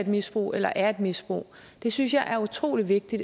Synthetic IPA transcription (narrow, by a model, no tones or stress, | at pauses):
edmisb̥ʁo̰ːʔelɐʔæɐe̝d̥misb̥ʁo̰ː | d̥e̝synsjɑ̈ɪʔæɐut͡sʰʁo̰ːliʋe̝ɡ̥̚d̥id̥